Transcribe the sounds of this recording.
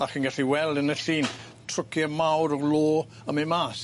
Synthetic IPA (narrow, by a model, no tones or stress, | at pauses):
aχinɡaɬiwɛlˠdənəɬiːn | tʰrʊkjamawɾɔloː | əmimaːs